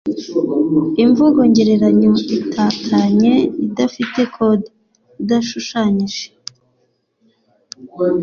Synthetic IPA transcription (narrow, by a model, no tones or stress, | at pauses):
iɱvuɡo̞ɲɟe̞ɾe̞ɾaɲoitʰaːkʰaɲe̞idafite̞kʰo̞di | idaʃuʃaɲiʒe